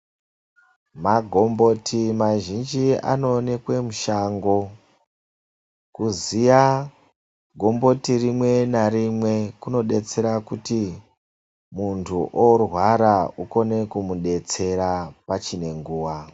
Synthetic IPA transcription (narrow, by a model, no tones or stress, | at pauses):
maɡʱo̞mbo̞tʰimaʒind͡ʒia̰no̞ne̞kwe̞muʃaŋɡo̞ | kuzija | ɡʱo̞mbo̞tirimwe̞naɾimwe̞kuno̞ɗe̞t͡se̞ɾakuti | muntʰuʔorwaɾauko̞ne̞kumuɗe̞t͡se̞ɾapat͡ʃine̞ŋɡuːwa